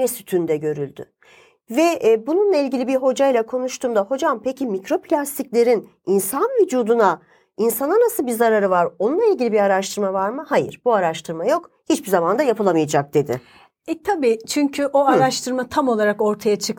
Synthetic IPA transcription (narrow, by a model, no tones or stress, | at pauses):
nɛsyt̪ʰynd̪ɛɟø̞ɾylʲd̪y̰ | vɛbununlˠailʲɟilʲibiɾɦo̞d͡ʒajlˠakʰo̞nuʃt̪ʰuːmd̪aho̞d͡ʒampecʰimicɾo̞pʰlʲast̪ʰiclʲe̞ɾin | insanvid͡ʒuːd̪una | insananasɯlˠbiɾzaɾaɾɯvaɾo̞nunlˠailʲɟʲilʲibiɾaɾaʃt̪ʰɯɾmavaɾmɯhajɯ̰ɾbuaɾaʃt̪ʰɯɾmajo̞khit͡ʃbizamand̪ajapʰɯlˠamɯjad͡ʒak̚d̪̥e̞d̪ɪ̰ | ɛt̪ʰabiːt͡ʃʰyɲcʰyʔoaɾaʃt̪ʰɯɾmat̪ʰamo̞lˠaɾako̞ɾt̪ʰajat͡ʃʰɯk